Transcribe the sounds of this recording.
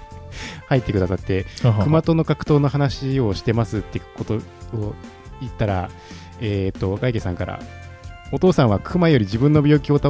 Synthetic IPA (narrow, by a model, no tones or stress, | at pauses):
hait̪ːekɯ̟d̪asat̪ːe̞kɯ̟mat̪o̞no̞kakɯ̟̥t̪o̞ːno̞hɦanaɕio̞ɕi̥t̪e̞masɨt̪ːekot̪o̞o | it̪ːaɾa | eːt̪ːo̞ɡaikesãŋkaɾa̰ | ot̪o̞ːsãɰ̃βakʰɯ̟majo̞ɾʲid͡ʑibɯ̟̃nːo̞bʲo̞ːkʲiot̪a